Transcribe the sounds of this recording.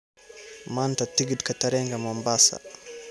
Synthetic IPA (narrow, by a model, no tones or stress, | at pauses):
mantatiɡidkataɾɛŋɡamɔmbasa̰